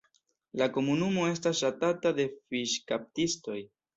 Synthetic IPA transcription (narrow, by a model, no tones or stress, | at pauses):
lako̞munumo̞e̞stasʃatatade̞fiʃkap̚tisto̞j